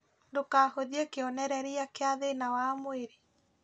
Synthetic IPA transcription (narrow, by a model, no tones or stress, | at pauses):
ndokaːhoðiekeɔnɛɾɛɾeakeaðenawamoweɾe